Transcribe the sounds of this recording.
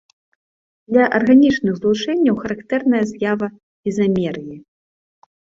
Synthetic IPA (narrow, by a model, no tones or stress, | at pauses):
d̪lʲɐʔɐrɣanʲit͡ʂnɨɣzlˠut͡ʂɛnʲːɐwxɐɾakt̪ɛrnɐjɐzʲjavɐ | izamʲɛɾji